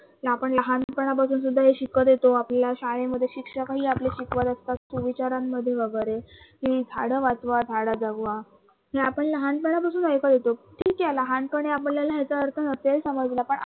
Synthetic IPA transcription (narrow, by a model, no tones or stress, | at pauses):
ɦeapəɳləɦanpəɳ̃apasuːns̬ud̪ʱːaɦeɕikəd̪jet̪oapljaɕaɭeməd̪ʱːjeɕikʂəkɦiːapleɕikʋat̪əst̪at̪suʋit͡ɕaɾamːəd̪ʱːjeʋəɡəɾekid͡z̪ʱaɽəʋat͡sʋad͡z̪ʱaɽad͡zaɡʋa | ɦeapəɳləɦanpəɳ̃ap̬asuːnəjkəd̪et̪oʈʰiːkjaləɦanpəɳ̃eapəɳljalaɦet͡saəɾt̪ʰənətelsəməd͡zlapəɳ